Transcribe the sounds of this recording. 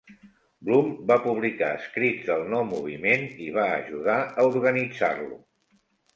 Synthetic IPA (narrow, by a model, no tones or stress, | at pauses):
blumbapuβ̞lika̰əskɾidd͡zðəlˠnɔwmuβ̞imeniβ̞aə̰ʒuðaəuɾɣənid͡za̰rlṵ